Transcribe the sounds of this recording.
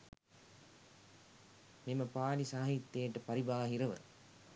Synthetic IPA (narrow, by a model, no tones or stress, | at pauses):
meməpaːlisaːɦit̪ːejəʈəpaɾibaːɦiɾəʋə̰